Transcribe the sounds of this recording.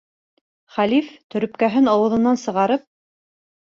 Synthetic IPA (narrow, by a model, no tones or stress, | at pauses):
χælift̪ɵ̆ɾɵ̆pkæɦɘnɑwɤ̆ðɤ̆nɑnsɤ̆ʁɑɾɤp̚